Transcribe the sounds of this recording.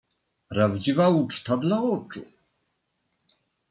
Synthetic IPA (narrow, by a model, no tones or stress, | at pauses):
pɾavd͡ʑivaut͡ʂt̪ad̪laɔt͡ʂṵ